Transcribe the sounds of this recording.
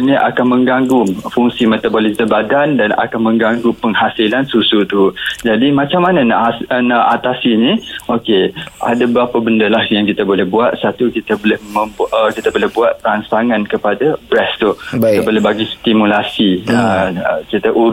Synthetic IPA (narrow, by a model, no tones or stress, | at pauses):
nĩʔa̰kanmə̃ŋɡaŋɡʊmfuŋsimet̪abolisəbadandana̰kanmə̃ŋɡaŋɡʊpəŋɦasilansusut̪ud͡ʒadimãt͡ʃamːanãna̰ʔnaʔat̪asinĩʔokeʔa̰dabəɾapabəndəlahjaŋkit̪abolɛhbuat̪̚sat̪ukit̪əbolɛhmə̃bəkit̪əbolɛhbuat̪̚pɾansaŋãnkəpadabɾɛst̪uit̪abolɛhbaɡist̪imulasiəkit̪aʔuɾ